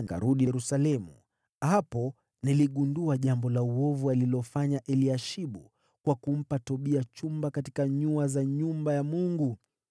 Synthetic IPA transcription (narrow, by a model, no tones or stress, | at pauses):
ŋɡa̰ɾuɗiɾusalɛmṵ | hapɔ | niliɠunduaʄambɔlauɔvualilɔfaɲaʔɛliaʃiɓu | kwakum̩patɔɓiat͡ʃumbakatikaɲuazaɲumbajamuŋɡu